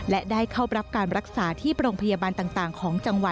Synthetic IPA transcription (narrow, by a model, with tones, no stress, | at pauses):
lɛ˦˥daː˥˩jkʰa˥˩wɾa˦˥p̚kaː˧nɾa˦˥k̚saː˩˦t̪ʰiː˥˩pɾoː˧ŋpʰa˧jaː˧baː˧nt̪aː˨˩ŋt̪aː˨˩ŋkʰɔː˩˦ŋt͡ɕa˧ŋwa˨˩